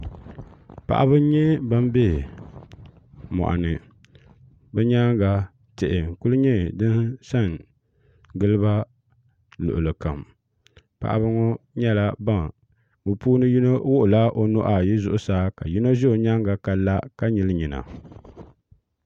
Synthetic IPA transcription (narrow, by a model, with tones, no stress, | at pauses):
pa̰˨ʔa̰˦bɨ˦ɲɛ˦ba˦m˦be˦ | mɔ̰˨ʔa̰˨nɨ˨ | bɛ˦ɲa˦ŋɡa˨ | tɛ˨ʔɪ˨ŋ̩˨ku˦lɨ˦ɲɛ˦˨dɨ˦nsa˦˨ŋ | ɡɨ˦lɨ˦ba˦ | lʊ̰˨ʔʊ˨lɨ˨ka˨m | pa̰˨ʔa̰˨bɨ˦ŋɔ˦ɲɛ˦la˦ba˦ŋ | o˨puː˦nɨ˦ji˦no˦wʊ˦ʔʊ˨la˦ʔo˦no˦ʔa˨ji˦zʊ˦˨ʔʊ˦saː˦ka˨ji˦no˦ʒɛ˦o˨ɲa˦ŋɡa˨ka˨la˦ka˦ɲi˦lɨ˦ɲi˨na̰˨